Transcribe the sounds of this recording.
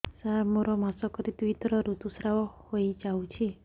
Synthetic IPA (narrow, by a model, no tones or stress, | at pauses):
saɾmoɾɔmasɔkɔɾit̪uit̪ɾɔɾut̪usɾawɔhojd͡ʒawt͡ʃʰi